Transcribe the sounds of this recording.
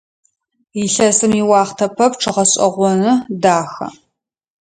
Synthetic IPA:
iɬɐsɨmiwɑːχtʰɐpʰɐpʈ͡ʂʰɨʁɐɕʼɐ̰ʁʷɔnɨdaːxɐ̰

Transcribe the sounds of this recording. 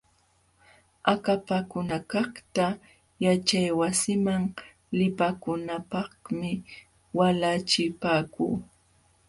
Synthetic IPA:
akapakʊnakɑχt̪a | jat͡ʃajwasɪmaŋ | lɪpakʊnapɑχmɪ | walat͡ʃɪpaːkṵː

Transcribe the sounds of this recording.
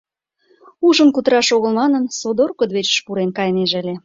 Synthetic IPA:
uʒə̆nkut̪əɾɑʃoɣəlmɑnənsod̪orkod̪βet͡ɕʃpuɾenkɑjneʒəlʲe

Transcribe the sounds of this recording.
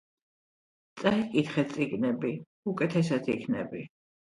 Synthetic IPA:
t̪sʼaikʼit̪χɛsʼiɡnɛbi | ukʼɛt̪ʰɛsat̪ʰḭkʰnɛ̰bi

